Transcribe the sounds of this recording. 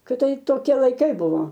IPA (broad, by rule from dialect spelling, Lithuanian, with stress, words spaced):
kʲɪˈtɐɪp toːˈkʲiɛ lˠɐɪˈkɐɪ ˈbʊʋoː